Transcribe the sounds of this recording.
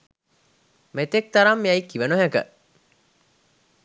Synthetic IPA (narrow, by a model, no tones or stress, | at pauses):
met̪ek̚t̪aɾamːiaikiʋənoɦækə̰